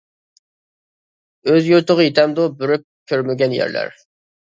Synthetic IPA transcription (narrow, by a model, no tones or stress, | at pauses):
øzjyɾt̪əʁəjit̪ʰɛmd̪obyɾyk̚ʲ | kʲʰːøɾmɪɡʲɛnjæ̰ɾlæ̰ɾ